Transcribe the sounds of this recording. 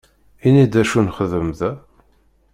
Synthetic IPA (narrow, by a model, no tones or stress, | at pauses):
inid̪æʃunχəðəmðæ